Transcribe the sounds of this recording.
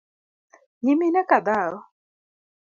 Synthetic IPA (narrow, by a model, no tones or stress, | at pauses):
ɲiminɛkad̪aɾɔ